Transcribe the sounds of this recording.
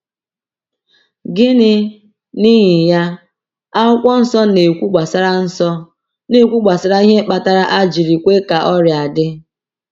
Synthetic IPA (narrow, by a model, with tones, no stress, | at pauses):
ɡɪ˦nɪ˦ | ni˦ɦɪ˨ja˦ | a˦ʊ˦kʷɔ˦n̩˦sɔ˦ne˨kʷu˦ɡ͡ba˨sa˦ɾa˦n̩˦sɔ˦ | ne˦˨kʷu˦ɡ͡ba˨sa˨ɾa˦i˦ɦe˦k͡pa˨ta˦ɾa˦ʔa˦d͡ʒi˨ɾi˨kʷe˦ka˨ʔɔ˦ɾja˨dɪ˦